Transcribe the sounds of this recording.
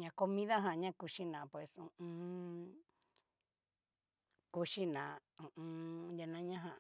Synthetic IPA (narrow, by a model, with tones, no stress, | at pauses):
ɲã˧ko˧mĩ˦ða˦ɦã˨ɲã˦ku˧ʃi˦nã˨pwe˨sũ˧ũ˧ | ku˧ʃi˦nã˨ũ˨ʔũ˧ja˧nã˦ɲã˦ɦã˧